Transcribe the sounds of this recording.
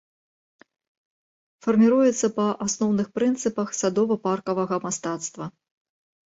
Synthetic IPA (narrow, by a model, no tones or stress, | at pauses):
fɐrmʲiɾujɛt̪sːɐpɐʔasnɔwnɨxpɾɨnt̪sɨpɐxsad̪ɔvɐparkɐvɐɣɐmast̪at̪st̪vɐ